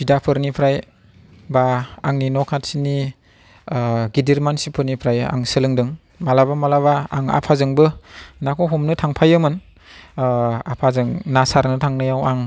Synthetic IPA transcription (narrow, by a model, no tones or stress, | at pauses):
bidapʰɯɾnipʰɾaj | baaŋninɔkʰatsini | ɡidiɾmansipʰɯɾnipʰɾaja̰ŋsɯlɯŋdɯŋ | malabamalaβaːŋa̰pʰazɯŋbɯnakʰɔɦɔmnɯtʰaŋpʰajɯmɯn | apʰazɯŋnasaɾnɯtʰaŋnɯjawaŋ